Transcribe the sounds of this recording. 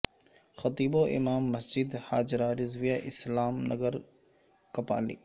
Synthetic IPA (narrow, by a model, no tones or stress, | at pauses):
xɐt̪iːboːʔɪ̰maːmːɐsd͡ʒɪd̪haːd͡ʒɾaːɾɪzʋɪjaːʔɪslaːmnɐɡəɾ | kɐpa̰ːlḭː